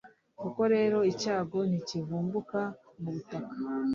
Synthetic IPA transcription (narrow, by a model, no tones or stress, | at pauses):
kuko̞ɾe̞ːɾo̞icaːɡo̞nicivuːmbuka | muβutakḁ